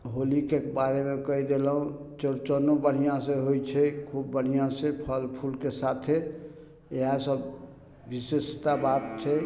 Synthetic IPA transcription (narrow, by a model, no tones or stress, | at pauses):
ɦolikekbaɾemekəid̪elɦũt͡ʃəɾt͡ʃənobəɽ̤ijãsẽɦojt͡ʃʰɛkʰubːəɽ̤ijãsẽpʰəlpʰulkesat̪ʰe | eɦãsəb | ʋisest̪abat̪t͡ʃʰɛ